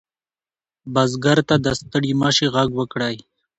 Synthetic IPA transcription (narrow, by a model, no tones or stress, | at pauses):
bazɡaɾt̪ad̪əst̪əɽimɑʃiɣaɡwəkɽaj